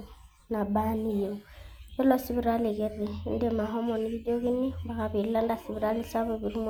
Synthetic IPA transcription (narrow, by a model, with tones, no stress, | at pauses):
na˨ba˦ni˦jo˨ɛ˦lɔ˨si˦bi˨ɾa˦le˨ke˦ɾi˨˦n̩˦de˦ma˨ɦɔ˦mɔ˨ni˦bi˦d͡ʒo˦ki˦ni˦ba˨ka˨bi˨la˦n˦da˨si˨bi˨ɾa˦li˦sa˦bo˦bi˨ɾu˦m˦